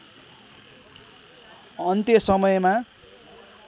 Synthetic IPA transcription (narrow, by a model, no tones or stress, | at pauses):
ʌnt̪jʌsʌmʌjma